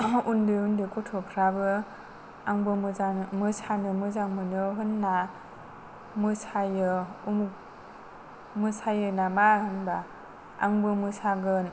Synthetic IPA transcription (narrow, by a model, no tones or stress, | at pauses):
undɯundɯkutʰɔpʰɾabɯ | aŋbɯmamɯsʰanɯmɯzaŋmɯnɯɦɯnːa | mɯsajɯumuk̚ | mɯsajɯnamahɯnba | a̰ŋbɯmɯsaɡɯn